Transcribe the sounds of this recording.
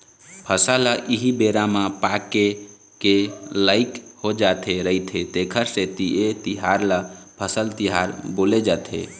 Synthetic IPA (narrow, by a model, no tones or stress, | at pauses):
pʰəsalaʔiɦibeɾamapake | kelaɪkhod͡ʒat̪ʰeɾəɦit̪ʰet̪ekʰəɾset̪iet̪iɦaɾlapʰəsəlt̪iɦaɾboled͡ʒat̪ʰḛ